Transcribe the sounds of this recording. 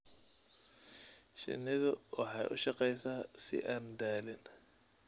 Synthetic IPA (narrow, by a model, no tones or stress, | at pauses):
ʃɪ̰nɪðʊwɑħɑjʔʊʃɑqɛjsaːsɪ̰ʔaːnd̪aːlɪn